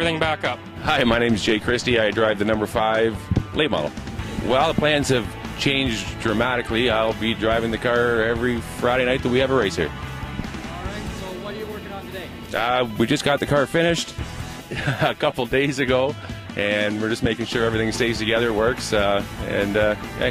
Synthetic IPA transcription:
ɹiθɪ̃ŋbækʌp̚ | haɪmaɪnẽɪ̃mzd͡ʒeɪkʰɹ̥ɪstiaɪdɹaɪvðɨnʌ̃mbə˞faɪvlʔeɪt̚mɑ̰ɾl̩ˠwɛlˠðəpʰl̥æ̃nz̥ɨv̥t͡ʃʰẽɪ̃nd͡ʒdɹɨmæɾɨkliaɪlˠbidɹaɪvɪ̃ŋðɨkʰɑɹɛvɹifɹaɪɾeɪɾnaɪt̪̚ðɨt̚wiɨvəɹeɪshḭɹ | ɹaɪtsoʊwʌtəjɨwɜ˞kɪ̃ŋə̃ntʰɨdeɪ | ʔʌwid͡ʒʌsɡ̥ɑt̪̚ðɨkʰɑɹfɪ̃ñɨʃt | əkʰʌpl̩ˠdeɪzɨɡoʊʔɨ̃nwɨɹd͡ʒʌsmeɪkɪ̃ŋʃʊɹɛvɹiθɪ̃ŋseɪftɨɡɛðə˞wɜ˞ksɨ̰̃nʌjæ̰

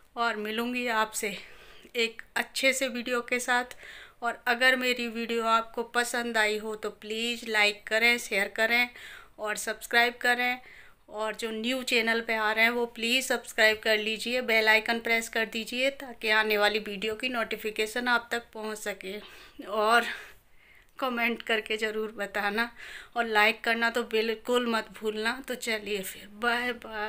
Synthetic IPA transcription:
ɔːɾmɪlũːŋɡiaːpseeːkɐtːʃʰeseʋiːɖijokesaːt̪ʰɔːɾɐɡəɾmeːɾiʋiːɖijoaːp̚kopɐsə̃nd̪aːiɦot̪opliːzlaːɪkːɐɾẽʃeːəɾkɐɾẽɔːɾsɐbskɾaːɪb̚kɐɾẽ | ɔːɾd͡ʒoːnjuːt͡ʃeːnəlpeaːɾeɦɛ̃ʋopliːzsɐbskɾaːɪb̚kɐɾliːd͡ʒiebɛːlaːɪkə̃mpɾɛːskɐɾd̪iːd͡ʒiet̪aːkeaːneʋaːliʋiːɖijokinoːʈɪfɪkeːʃənaːb̚t̪ɐk̚pɔɦʊ̃t͡ʃsɐkeːɔːɾ | kɔmẽɳʈkɐɾkezɐɾuːɾbɐt̪aːnaɔːɾlaːɪkːɐɾnat̪obɪlkʊlmɐt̪bʱuːlnat̪ot͡ʃɐliefʰɪɾbaba

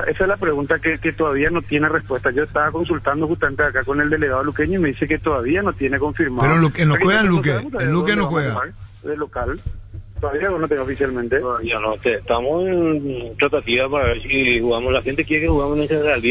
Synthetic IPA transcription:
aʔesaezlapɾeɣunt̪akeket̪oðaβiano̞t̪je̞nerespwe̞st̪ad͡ʒo̞est̪aβako̞ns̬ult̪and̪oxust̪ament̪eakako̞neld̪ele̞ɣaðolukeɲoime̞ðiseket̪oðaβianot̪je̞neko̞ɱfiɾmapeɾolukenokweɣaelukeunt̪aelukenoaxweɣa̰aɾ | ðelo̞kalt̪oðaβianonot̪enaofisjalmẽnt̪eoðaβianot̪eːht̪amosent̪ɾat̪at̪iβapaɾaβeɾsixuɣamoslaxent̪ekjeɾekexuɣamoneseneald̪i

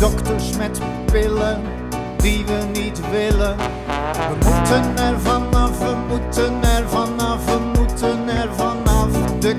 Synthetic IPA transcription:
dɔkt̪əɾsmɛt̪ | pɪlən | d̪ivənit̪vɪlə | əmutənɛɾvanavəmutənɛɾvanavəmutənɛɾvanavd̪ə

